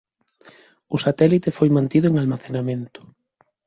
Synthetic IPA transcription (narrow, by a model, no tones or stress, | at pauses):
ʊsat̪ɛlit̪efojmãnt̪iðʊeŋalmaθenamẽnt̪ʊ̥